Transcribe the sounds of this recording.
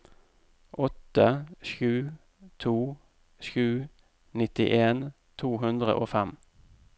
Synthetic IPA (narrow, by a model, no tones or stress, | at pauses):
ʔɔt̪əʃʉː | t̪ʰuː | ʃʉː | nɪt̪ɪʔeːn | t̪ʰuːɦʉnd̪ʁə̰ʔoːfɛm